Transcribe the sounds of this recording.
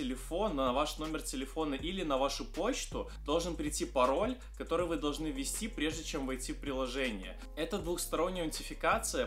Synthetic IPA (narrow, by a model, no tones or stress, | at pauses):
ɪlʲɪfo̞nːəvaʂno̞mʲɪrtʲɪlʲɪfo̞nəʔilʲɪnɐvaʂʊpo̞t͡ɕt̪ʊd̪̥o̞lˠʐɨnpɾʲɪjtʲipɐɾo̞lʲ | kɐt̪o̞ɾʊjʊvɨd̪ɐlˠʐnɨvʲɪsʲtʲipɾʲe̞ʐdʲɪt͡ɕe̞mvɐjtʲifpɾʲɪlˠɐʐɛnʲɪjə̰ | ɛt̪əd̪vʊxst̪ɐɾo̞nʲːəjəʊnʲtʲɪfʲɪkat̪sɨjə